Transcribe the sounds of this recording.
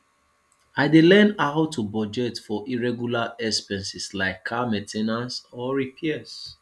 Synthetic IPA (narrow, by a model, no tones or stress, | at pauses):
aɪdelɛ̃naatʰubɔd͡ʒɛtfɔʔiɹɛɡjulaɛkspɛ̃nsislaɪkʰːamɛtʰenãnsɔɹipʰiɛs